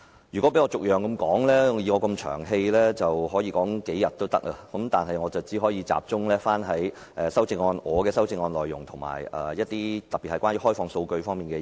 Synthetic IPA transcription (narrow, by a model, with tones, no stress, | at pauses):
jyː˨˩kʷwɔ˨˥pe˨˥jŋɔː˧ʊ˨k̚jœː˨ŋkɐ˧mkɔː˨˥ŋlɛː˥jiː˨˧ŋɔː˧kɐ˧mt͡ʃʰœ̰ː˨˩ŋɦe˧jlɛː˥t͡sɐ˨wɦɔː˨˥jiː˧kɔː˨˥ŋke˨˥jɐ˨t̚t̪o˥wt̪ɐ˥k̚laː˧kɐ˨˥mt̪aː˨˩nɦɐ˨jŋɔː˨˧t͡sɐ˨wt͡si˨˥ɦɔː˨˥jiː˨˧t͡sa̰ː˨˩p̚t͡sʊ˥ŋlɛː˥faː˥nɦɐ˨˥j | ʔɛː˨˧sɐ˥wt͡sɪ˧ŋɔː˧nɔː˨˧kɛː˧sɐ˥wt͡sɪ˧ŋɔː˧nlɔ̰ː˨jːʊ̰˨˩ŋt̪ʰʊ˨˩ŋma̰ː˨˩jɐ̰ː˨˩jɐ˥t̚t̪iː˥t̪ɐ˨˩pi˨t̚hɐ˨jkʷwaː˥njy˧˥hɔː˥jfɔː˧ŋso˧wkɵ˧ɥfɔː˥ŋmiː˨˩nkɛː˧